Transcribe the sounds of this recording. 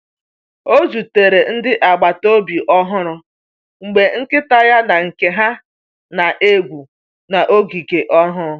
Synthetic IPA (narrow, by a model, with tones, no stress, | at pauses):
o˦zu˨te˨ɾe˨n̩˦dɪ˦ʔa˨ɡ͡ba˨to˦bi˨ʔɔ˦ɦʊ˦ɾʊ˦ | ŋ͡m̩˨ɡ͡be˨ŋ̩˦kɪ˦ta˦ja˦na˨ŋ̩˨ke˨ɦa˦ | na˨ʔe˦ɡʷu˨ | na˨ʔo˦ɡi˨ke˨ʔɔ˦ɦʊ˦ɾʊ˦